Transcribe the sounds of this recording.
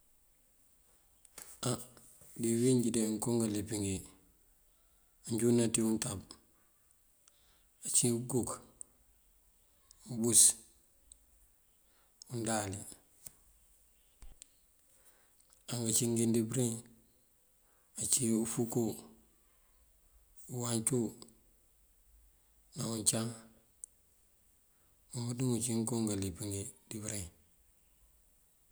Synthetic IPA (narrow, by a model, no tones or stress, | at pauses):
a | diwiɲɟideŋkoŋɡalepiŋɡi | aɲɟunatiuntab̚ | at͡ʃiɡuk | ubus | undali | aŋɡat͡ʃiŋɡindibɾiŋ | at͡ʃiufuko | uwaɲt͡ʃu | nauɲt͡ʃaŋ | ubudiŋut͡ʃiŋkoŋɡalipiŋedibɾeŋ